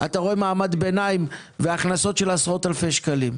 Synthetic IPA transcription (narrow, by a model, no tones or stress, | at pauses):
ʔat̪aʁo̞e̞maːmad̪be̞naim | veaχnaso̞tʃe̞lasʁo̞t̪alfe̞ʃkalim